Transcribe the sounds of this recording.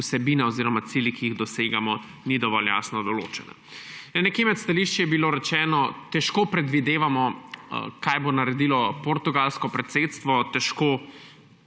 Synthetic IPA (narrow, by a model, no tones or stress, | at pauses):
sɛbiːnaɔziːɾɔmat̪silikiiɣd̪ɔseːɡamɔ | nid̪ɔʋɔlja̰ːsnɔd̪ɔlo̰ːt͡ʃɛna̰ | nnɛkeːmɛt̪st̪aliʃt͡ʃjɛbiloːɾɛt͡ʃɛːnɔt̪ɛʃkoːpɾɛd̪ʋid̪eːʋamɔ | kajbonaɾɛd̪ilɔpoɾt̪uɡalskɔpɾɛt̪seːt̪st̪ʋɔt̪ɛʃkoː